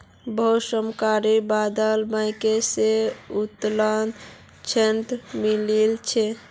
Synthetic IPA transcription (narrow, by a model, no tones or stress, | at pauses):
bosəmkaɾibad̪əlbãɪkeseut̪lən | t͡ʃʰenʈ̪mililt͡ʃʰe